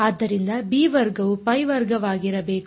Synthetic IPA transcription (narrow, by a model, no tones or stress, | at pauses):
aːd̪ːɐɾind̪ɐbiːʋɐɾɡɐʋupɐjʋɐɾɡɐʋaːɡiɾɐbe̞ːk